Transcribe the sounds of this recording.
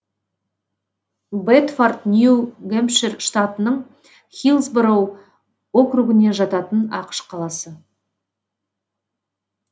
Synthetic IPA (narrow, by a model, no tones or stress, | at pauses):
bet̪fart̪nʲjuɡempʃerʃt̪at̪ənəɴ | χʲilˠzbɾow | o̞kruɡɪne̞ʒɑt̪ɑt̪ənɑqə̥ʃqʰɑlˠɑsə